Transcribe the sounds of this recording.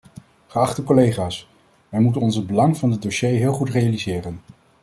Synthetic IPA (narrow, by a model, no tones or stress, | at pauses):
χəɑχtəkolejχaːs | ʋɛjmutənɔnzəd̚bəlɑŋvɑndədoʃejɦɪːlˠχutrejalizɪːrən